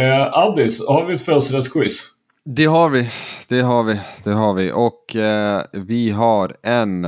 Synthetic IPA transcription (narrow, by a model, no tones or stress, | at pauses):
ʔad̪ɪshaɾvɪɛt̪fɛlsɾɛskʰwɪs | d̪ɛɦɑɾvɪd̪̥ɛɦɑɾvɪd̪ɛɦɑɾvɪʔɔkʰ | vɪɦɑɾɛn